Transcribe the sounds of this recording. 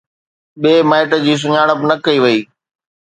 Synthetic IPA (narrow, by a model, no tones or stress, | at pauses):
ɓeːmaːɪʈəd͡ʑiːs̬ʊɲaːɽ̃əpnɐkɐiʋɐiː